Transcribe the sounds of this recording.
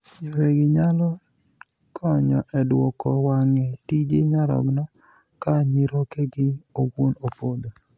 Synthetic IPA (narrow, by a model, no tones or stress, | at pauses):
joɾeɡɪɲalɔ | kʰɔɲɔʔɛdwɔkɔwaŋɛtid͡ʒeɲaɾɔ̰ɡnɔ | kaɲiɾokeɡɪowonopod̪o